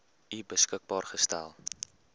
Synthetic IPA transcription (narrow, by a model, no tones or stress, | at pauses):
ibəskək̚bɑːrχəstæ̰lˠ